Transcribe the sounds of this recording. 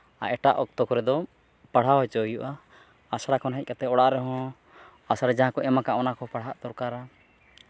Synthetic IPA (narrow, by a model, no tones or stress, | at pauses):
a̰ʔɛʈaʔɔk̚t̪ɔkɔɾɛd̪ɔ | paɽ̤awɦɔt͡ʃɔjuʔaː | saɽakɔnɦɛc̚kat̪ɛɔɽaʔɾɛɦɔ̃ | asaɾɛd͡ʒaɦãkɔʔɛmakaʔɔnakɔpaɽ̤aʔt̪ɔɾkaɾa